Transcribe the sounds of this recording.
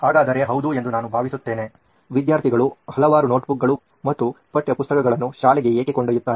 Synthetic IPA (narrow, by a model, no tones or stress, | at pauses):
haːɡaːd̪ɐɾe̞ɦɐwd̪ue̞nd̪unaːnubʱaːʋisut̪ːe̞ːne̞ | ʋid̪jaːɾt̪ʰiɡɐɭuhɐlɐʋaːɾuno̞ːʈbuk̚ɡɐɭu | mɐt̪ːupɐʈːjɐpust̪ɐkɐɡɐɭɐnːuʃaːlɛɡe̞eːkekoɳɖɐjut̪ːaː